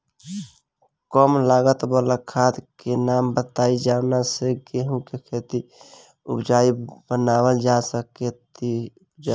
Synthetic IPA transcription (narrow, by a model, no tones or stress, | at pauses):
kɔmlaːɡət̪bələkʰad̪kenaːmbət̪aid͡ʒanaseɡeɦũkekʰet̪i | ʊ̰bd͡ʒaːibənaːwəld͡ʒasəket̪i | d͡ʒa